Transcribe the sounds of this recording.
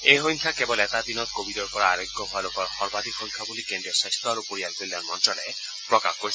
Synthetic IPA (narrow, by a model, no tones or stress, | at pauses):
eɦojŋkʰakebɔlet̪ad̪inɔt̪kobʱidɔɾkɔɾaaɾoɡːɔbʱɔlokɔɾhɔɾbad̪ʱikhojŋkʰabulikeɳɖiɔsekst̪ɔaɾupoɾialbild̪anmɔnt̪ɾɔle | pɾɔkakkoɾi